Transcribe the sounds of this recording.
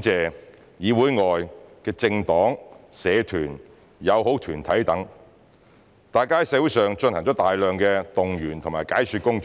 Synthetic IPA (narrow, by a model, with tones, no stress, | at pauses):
t͡sɛː˨ | jiː˨˧wuː˨˥jŋɔː˨jkɛː˧t͡sɪ˧ŋt̪ɔː˨˥ŋsɛː˨˧t̪ʰyː˨˩n | jɐ˨˧wɦo˨˥wt̪ʰyː˨˩nt̪ʰɐ˨˥jt̪ɐ˨˥ŋ | t̪aː˨jkaː˥jsɛː˨˧˥wu˧˥sœː˨ŋt͡ʃɵ˧nhɐ˨˩ŋt͡ʃɔː˨˥t̪aː˨jlœː˨ŋkɛː˧t̪ʊ˨ŋjyː˨˩nt̪ʰʊ˨˩maː˨˩jkaː˨˥jsyː˧kʊ˥ŋt͡ʃ